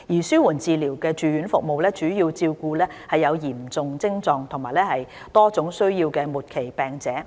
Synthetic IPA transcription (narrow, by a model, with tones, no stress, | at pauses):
jiː˨˩syː˥wuː˨˩nt͡siː˨˧liː˨˩wkɛː˧t͡ʃyː˨˥jyː˨˥nfʊ̰˨k̚mo˨wlɛː˥t͡ʃyː˨˥jiː˧wt͡siː˧wkuː˧lɛː˥hɐ˨jːɐ˨˧wjiː˨˩mt͡sʊ˨ŋt͡sɪ˥ŋt͡sɔː˧ŋt̪ʰʊ˨ŋmaː˨jlɛː˥hɐ˨j | t̪ɔː˥t͡sʊ˨˥ŋsɵ˥ɥjiː˧wkɛː˧muː˨˩t̚kʰe˨˩jpɛː˨ŋt͡sɛː˨˥